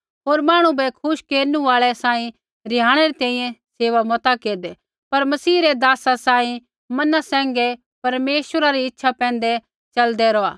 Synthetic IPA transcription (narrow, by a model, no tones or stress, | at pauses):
ɦoːɾmaːɽ̃ũbɛkʰʊʃkeːɾnũaːɭɛsaːĩ | ɾɪjaːɽ̃ɛɾet̪ɛ̃ːĩjɛ̃seːʋamɔt̪akeːɾd̪ɛ | pɐɾmɐsiːɾed̪aːsasaːĩ | mɐnasɛ̃ːŋɡɛ | pɐɾmeːʃwəɾaɾiɪtːʃʰapɛ̃ːnd̪ɛ | t͡ʃɐld̪ɛɾɔaː